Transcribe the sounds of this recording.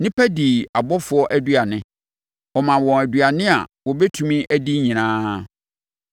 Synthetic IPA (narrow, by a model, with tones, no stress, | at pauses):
nɪ̃˦pʰæ˦di˨a˨bɔ˦fʊ˦ɔ˦ʔæ˦dɥa˨nɪ̃˦ | ɔ˨mã˨wɔ̃˨æ˨dɥa˨nɪ̃˦a̰˨wɔ˨bɛ˦tʰũ˦mĩ˦ʔæ˦di˦ɲĩ˨nãː˦